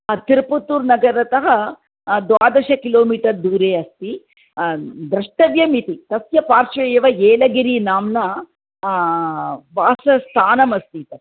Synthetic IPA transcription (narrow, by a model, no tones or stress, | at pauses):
t̪iɾput̪uːɾnɐɡɐɾɐt̪ɐɦɐ̆ | d̪ʋaːd̪ɐʃɐkiloːmiːʈɐɾd̪uːɾeːɐst̪i | d̪ɾɐʂʈɐʋjɐmit̪it̪ɐsjɐpaːɾʂɐjɐʋɐeːlɐɡiɾinaːmnɐ | ʋaːsɐst̪ʰaːnɐmɐst̪it̪ɐ